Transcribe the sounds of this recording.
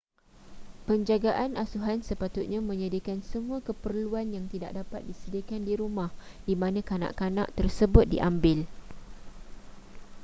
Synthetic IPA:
pəɲd͡ʒaɡaʔanasuɦansəpat̪ʊt̪̚ɲãmə̃ɲadakansəmũakəpərluanjaŋt̪ida̰ʔ̚dapat̪̚disədakandiɾumãh | d̥imãnãkana̰ʔkana̰ʔt̪ərsəbʊt̪̚dḭʔambɪl

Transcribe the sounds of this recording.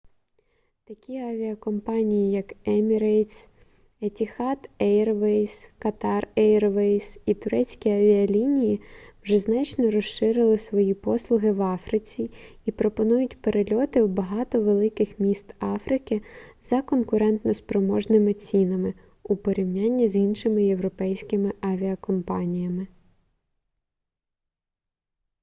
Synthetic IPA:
t̪ɐkʲiɐʋʲiɐkɔmpɑnʲijijɐkɛmʲiɾejsʲ | etʲixɑt̪ɛjrʋɛjskɐt̪ɑrɛjrʋɛjsit̪ʊɾɛt͡sʲkʲiɐʋʲiɐlʲinʲijiwʒɛznɑt͡ʃnɔɾɔʃʃɪɾɪlˠɪsʋɔjipɔslˠʊɦɪʋɑfɾɪt͡sʲiipɾɔpɔnujʊtʲpeɾʔelʲɔt̪ɪwbɐɦɑt̪ɔʋelˠɪkɪxmʲist̪ɑfɾɪkɪzɐkɔnkʊɾɛnt̪nɔspɾɔmɔʒnɪmɪt͡sʲinɐmɪ | upɔɾʲiwnʲanʲːɐzʲinʃɪmɪjewɾɔpɛjsʲkɪmɪʔɑʋʲiɐkɔmpɑnʲijɐmɪ

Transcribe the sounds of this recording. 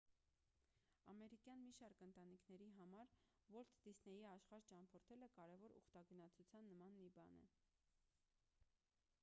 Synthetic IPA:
ɑmɛɾikjɑnmiʃɑɾkənt̪ɑnikʰnɛɾiɦɑmɑɾ | vɔɾt̪ʰd̪̥isnɛjiɑʃχɑɾt͡ʃɑmpʰɔɾt̪ʰɛləkɑɾɛvɔɾṵχt̪ɑɡənɑt͡sʰut͡sʰjɑnːəmɑnːibɑnɛ̰

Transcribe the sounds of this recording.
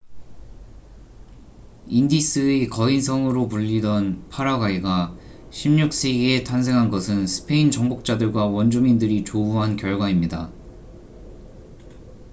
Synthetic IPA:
indis͈ʰɯekʌinsʰʌŋɯɾopuʎːidʌnpʰaɾaɡaiɡa | ɕʰimɲuk̚s͈iɡe̞tʰans̬ʰe̞ŋɦanɡʌsʰɯnsʰɯ̥pʰe̞int͡ɕʌŋbok̚t͡ɕ͈adɯɭɡwawʌnd͡ʑumindɯɾit͡ɕobuɦankjʌɭɡwaimɲida

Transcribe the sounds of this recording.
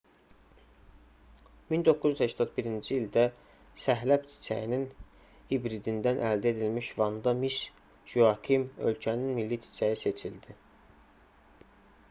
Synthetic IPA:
mind̪o̞kʰːuzyzhæʃt̪ʰɑt̪̚biɾind͡ʒiːld̪æ | sæɦlæpt͡ʃ̪ʰi̥t͡ʃʰæ̰jinin | ibɾid̪ind̪ænʔæ̰ld̪æe̞d̪ilmiʃvɑnd̪ɑmiʃ | ʒuɑkʰimø̰lcʰæninmilːit͡ʃ̪ʰi̥t͡ʃʰæjise̞t͡ʃʰild̪i

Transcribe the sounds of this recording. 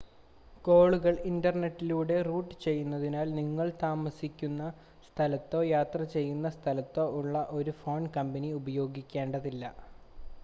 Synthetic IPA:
ko̞ːɭuɣɐɭindɐrneʈːiluːɽe̞ruːʈːɨt͡ɕe̞jːunːɐðinaːlniŋːɐɭt̪aːmɐsikʲːunːɐ | st̪ʰɐlɐt̪ːo̞ːjaːt̪rɐt͡ɕe̞jːunːɐst̪ʰɐlɐt̪ːo̞ːʔuɭːɐʔo̞ɾufo̞ːɳkɐmbɐniubɐjo̞ːɡikʲːe̞ːɳɖɐðilːɐ̰

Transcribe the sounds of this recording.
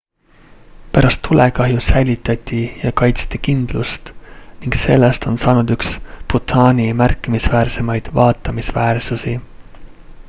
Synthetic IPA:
pæɾɑst̪ːulekɑɦjusæjlʲit̪ːˑɑt̪ʲːˑijɑkɑjt̪st̪ikind̪̥lust̪niŋɡ̥se̞lːest̪o̞nsɑːnud̪̥yksput̪ɑːnʲimærkːˑimisvæːrse̞mɑjd̪̥vɑːt̪ːˑɑmisvæːrsusi

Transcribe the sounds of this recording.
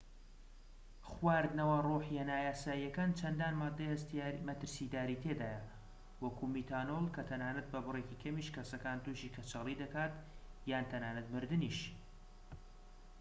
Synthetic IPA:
χwaːɾd̪nɐwaroħjanaːjaːsaːijɐkaːnt͡ʃʰɐnd̪aːnad̪mɐt̪ɨɾsid̪aːɾiːt̪ʰed̪aːjɐ | wɐkʰumiːt̪ʰaːnolˠkɐt̪ʰɐnaːnɐt̪̚bɐbɨrekikʰɐmiʃkɐsɐkaːnt̪uːʃiːkʰɐt͡ʃɑlˠid̪ɐkaːt̪jaːnt̪ʰɐnaːnɐt̪mɨɾd̪ɨniʃ

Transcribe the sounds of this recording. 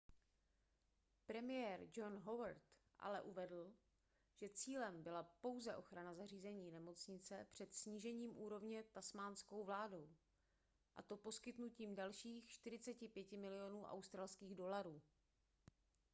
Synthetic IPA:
pɾɛmɪjɛːɾd͡ʒo̞nɦo̞vaɾt̪ | ʔa̰lɛʔuvɛdl̩ | ʒ̥ɛt͡siːlɛmbɪlapo̞wzɛʔo̞xɾanazariːzɛɲiːnɛmo̞t͡sɲɪt͡sɛpr̝̥ɛt̪sɲiːʒɛɲiːmʔuːɾo̞vɲɛt̪asmaːnsko̞wvlaːdo̞w | ʔa̰t̪o̞po̞skɪt̪nuciːmdalʃiːxʃt̪ɪɾɪt͡sɛcɪpjɛcɪmɪlɪjo̞nuːʔa̰wst̪ɾaːlskiːɣdo̞laɾuː

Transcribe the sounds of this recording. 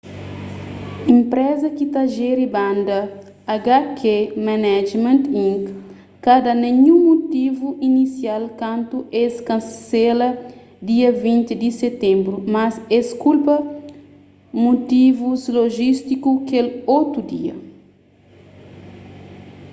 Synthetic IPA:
ĩmpɾɛzɐkit̪aʒɛɾibãnd̪ɐ | aɡakʰemanɛd͡ʒmẽnt̪ĩŋkː | ad̪ɐneɲũmut̪ivuʔinisjalkãnt̪uʔeskɐ̃nselɐ | d̪iɐvĩnt̪id̪iset̪ẽmbɾumɐseskulpɐ | mut̪ivuzloʒist̪ikukelot̪ud̪iɐ̰

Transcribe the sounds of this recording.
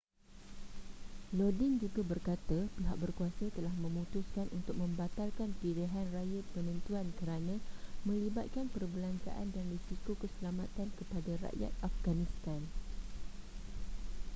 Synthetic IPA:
lɔdind͡ʒuɡabərkat̪apiɦaʔ̚bərkuasət̪əlahmə̃mũt̪uskanʔṵnt̪ʊk̚mə̃mbat̪alkankiɾəɦanrajapənə̃nt̪uankəɾanãmə̃libat̪̚kanpərbəlant͡ʃa̰ʔa̰ndanrisikokəsəlamat̪ankəpadaɾa̰ʔja̰t̪̚afɡanĩst̪an

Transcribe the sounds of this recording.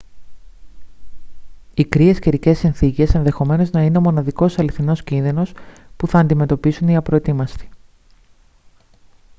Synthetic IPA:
ikɾie̞sce̞ɾice̞sinθice̞se̞nðe̞xo̞me̞no̞znɐine̞omo̞nɐðiko̞sɐliθino̞scinðino̞spuθɐːnd̪ime̞t̪o̞pisuniɐpɾo̞et̪imɐsti̥

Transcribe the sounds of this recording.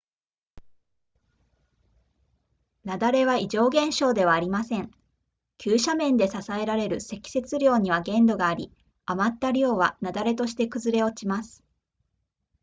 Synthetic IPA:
nad̪aɾe̞βaiʑo̞ːɡẽ̞ɰ̃ɕo̞ːd̪e̞βaːɾʲimasẽ̞ŋ | kʲʰɨːɕamẽ̞nd̪e̞sasae̞ɾaɾe̞ɾɯ̟se̞kʲi̥se̞t͡sɨɾʲo̞ːɲ̟iβ̞aɡẽ̞nd̪o̞ɡaːɾʲḭ | amat̪ːaɾʲo̞ːβanad̪aɾe̞t̪o̞ɕi̥t̪e̞kɯ̟zɨɾe̞o̞t͡ɕimasɨ̥

